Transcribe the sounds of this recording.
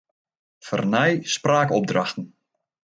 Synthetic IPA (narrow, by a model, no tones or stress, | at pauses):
fə̰rnɛjspraːkɔb̚draxtən̩